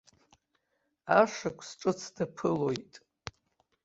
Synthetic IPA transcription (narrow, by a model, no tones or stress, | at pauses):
aʂakʷʰsʈ͡ʂʼɨt͡sʰd̥apʰɨlo̞jtʼ